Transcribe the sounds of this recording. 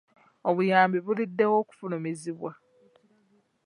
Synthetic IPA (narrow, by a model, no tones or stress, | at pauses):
oβujaːmbiβulidːe̞wo̞ːku̥fulomeziβwa